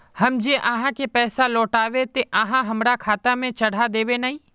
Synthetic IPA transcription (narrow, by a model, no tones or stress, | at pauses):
hɐmd͡ʒeːʔaɦãkepɛːsalɔːʈaːʋet̪eʔɐɦãɦɐmɾakʰaːt̪amẽt͡ʃɐɽ̤ad̪eːʋenaːɦĩ